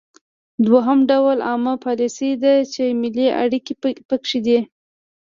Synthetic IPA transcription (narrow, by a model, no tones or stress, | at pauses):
d̪waɦamɖawlɑməpɑlisid̪at͡ʃemɪliʔa̰ɽikipəkʂid̪i